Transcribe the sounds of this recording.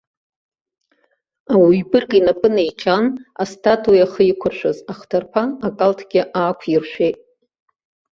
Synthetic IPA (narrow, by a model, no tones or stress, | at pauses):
awaɥbɨrɡinapʼɨnejt͡ʃʰana̰stʰatʰʼujaχəikʷʰʊrʃʷᶣazaχtʰarpʰaakʼaltʰɡʲɪʔaːkʷʰirʃʷejtʼ